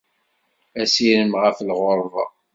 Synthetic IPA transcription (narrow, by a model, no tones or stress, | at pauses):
æsiɾəmʁəflʁoɾˤðˤɑ̰